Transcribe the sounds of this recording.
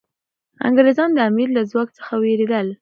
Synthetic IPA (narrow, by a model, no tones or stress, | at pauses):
a̰ŋɡaɾezɑnd̪əamiɾlazwɑk̚t͡sə̥xaweɾed̪əl